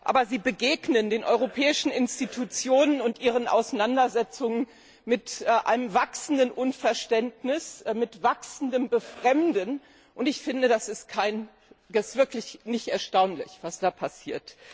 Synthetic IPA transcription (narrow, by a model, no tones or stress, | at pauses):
ʔa̰ːbɐziːbəɡeːɡnəndeːnʔɔʏʁ̞opʰɛːɪʃn̩ɪnstitʰut͡sjoːnənʊntʔiːʁ̞ənʔa̰ʊsanandɐzɛt͡sʊŋən | mɪtːʔa̰ɪnəmvaksn̩dənʔʊnfɛɐʃtɛntnɪsmɪtv̥aksn̩dəmbəfʁ̥ɛmdən | ʔʊntɪçfɪndədasɪst̚kʰaɪn | ɡɛstv̥ɪɐklɪçnɪçtɛɐʃtaʊnlɪçv̥asd̥aːpʰasiːɐt